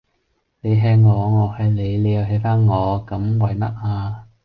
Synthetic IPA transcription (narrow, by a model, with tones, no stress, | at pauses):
ne˨˧jɦɛː˧ŋŋɔː˨˧ŋɔː˨˧hɐ˨jle˨˧jle˨˧jɐ˨˧wɦe˨˧˥jfaː˥nŋɔː˨˧kɐ˨˥mwɐ˨˧jmɐ˥t̚aː˧